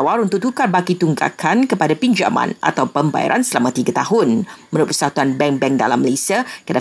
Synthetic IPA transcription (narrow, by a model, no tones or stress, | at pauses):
waɾunt̪ʊk̚t̪ukarbakit̪uŋɡa̰kʰankəpadapiɲd͡ʒa̰mã̰na̰t̪awpəmba̰ja̰ɾʔa̰nsəlamãt̪iɡat̪aɦʊnmənʊt̚pərsat̪uanbɛŋbɛŋda̰lamːəlesiakəəda